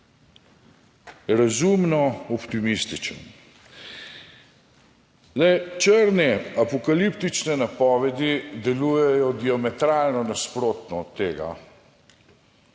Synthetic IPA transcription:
ɾazumnɔɔpt̪imist̪it͡ʃə̰n | zɛjt͡ʃəɾnɛapɔkalipt̪it͡ʃnɛnapɔːʋɛd̪id̪ɛlujɛjɔd̪iamɛt̪ɾaːlnɔnaspɾoːt̪nɔːt̪ːeːɡa̰

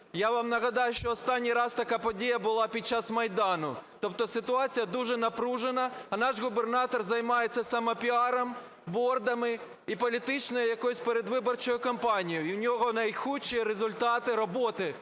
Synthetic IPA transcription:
jaʋɑmnɐɣɐd̪ɑjʊʃt͡ʃɔːst̪ɑnʲːijɾɑst̪ɐkɑpɔdʲijɐbʊlˠɑpʲid̚t͡ʃːasmɐjd̪ɑnʊt̪ɔpt̪ɔsɪt̪ʊɑt͡sʲijɐd̪uʒɛnɐpɾuʒenɐɐnɑʒɣʊbernɑt̪ɔrzɐjmɑjet͡sʲːɐsɐmɔpʲiɑɾɐm | bɔrd̪ɐmɪ | ipɔlʲit̪ɪt͡ʃnɔjʊjɐkɔjʊsʲpeɾed̪ʋɪbɔrt͡ʃɔjʊkɐmpɑnʲijʊiwnʲɔɦɔnɐjxut͡ʃːiɾezʊlʲt̪ɑt̪ɪɾɔbɔt̪ɪ

